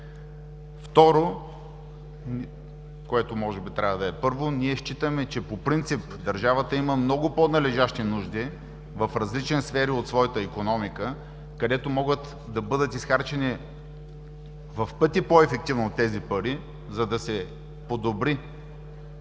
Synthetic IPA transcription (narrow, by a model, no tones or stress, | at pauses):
ft̪ɔɾo | koɛt̪omɔʒɛbit̪ɾʲavəd̪ɐɛpɤɾvoniɛʃt͡ʃit̪əmɛt͡ʃɛpopɾint̪sipd̪ɐɾʒavət̪əiməmnɔɡoponɐlɛʒaʃt̪inuʒd̪i | vɐfɾɐzlit͡ʃɛnisfɛɾiot̪svɔjət̪əikonɔmikə | kɐd̪ɛt̪omɔɡət̪ | d̪ɐbɤd̪ət̪isxaɾt͡ʃɛni | vɐfpɤt̪ipoɛfɛk̚t̪ivnoːt̪ːɛzipɐɾi | zɐd̪ɐsɛ | pod̪obɾi